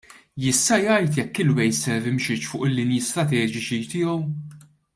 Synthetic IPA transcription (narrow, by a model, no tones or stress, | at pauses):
jɪst̪ɐjɐjt̪jɛkːɪlwɛjsɛɾvɪmʃɪt͡ʃfʊːʔɪlːɪnjist̪ɾɐt̪ɛːd͡ʒɪt͡ʃit̪ɪːɔw